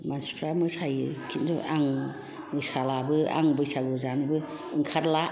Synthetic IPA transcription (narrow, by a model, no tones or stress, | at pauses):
mansʰi̥pʰɾamɯsʰajɯkʰinzɔ̰ʔaŋ | mɯsalabɯa̰ŋbɯjsʰaɡuzanɯbɯ | ɯŋkʰaɾla